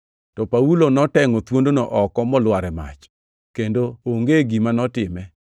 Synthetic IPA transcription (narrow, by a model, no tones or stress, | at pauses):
tɔpaulonɔtɛŋɔt̪wondonɔʔɔkɔmɔlwaɾɛma̰t͡ʃ | kendooŋɡeɡimanɔtɪmɛ